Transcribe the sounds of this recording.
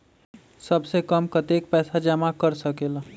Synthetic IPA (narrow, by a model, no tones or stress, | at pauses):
səbsekəmkət̪ek̚pɛːsad͡ʒəmakəɾsəkeːla